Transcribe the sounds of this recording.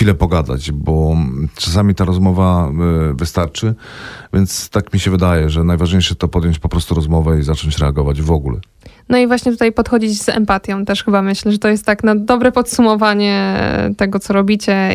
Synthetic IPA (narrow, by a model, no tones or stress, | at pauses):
filɛpɔɡad̪a̰t͡ɕbɔt͡ʂas̬amʲit̪aɾɔzmɔvavɘst̪aɾt͡ʂɘ | vʲjɛnt̪st̪akmʲiɕɛvɘd̪ajɛʐɛnajvaʐɲejʂɛt̪ɔpɔd̪ʲjɔɲt͡ɕpɔpɾɔst̪uɾɔzmɔvɛizat͡ʂɔɲt͡ɕɾɛaɡɔvad͡ʑvɔɡulɛ̰ | nɔivwaɕɲɛt̪ut̪ajpɔt̪xɔd͡ʑid͡ʑzɛ̰mpat̪ʲjɔ̃w̃t̪ɛʂxɘbamɘɕlɛʐɛt̪ɔjɛst̪ːaknad̪ɔbɾɛpɔt̪sumɔvaɲɛ̰t̪ɛɡɔt̪sɔɾɔbʲit͡ɕɛ